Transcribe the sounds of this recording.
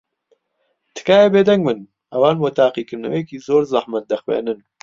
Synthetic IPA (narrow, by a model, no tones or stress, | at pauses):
t̪ʰɨ̥kaːjebeːd̪ɛŋɡmɨn | ɐwaːnboːt̪ʰaːqiːkɨɾnɐ̰wejɛkiːzoːɾzaħmɐt̪̚d̪ɐxwḛːnɨn